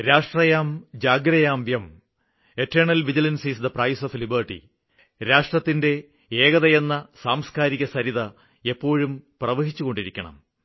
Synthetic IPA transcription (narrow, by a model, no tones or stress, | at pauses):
ɾaːʂʈrɐjaːmd͡ʑaːɡɾɐjaːmjem | e̞tːɐːɳɐlʋid͡ʑilɐnsisd̪ɐprɐjsoflibɐrʈḭ | ɾaːʂʈrɐt̪ːinde̞ | eːɣɐðɐjenːɐsaːmskaːɾiɣɐsɐɾiðɐ | e̞pːo̞ːɻumprɐʋɐɦit͡ɕːuɣo̞ɳɖiɾikʲːɐɳɐ̰m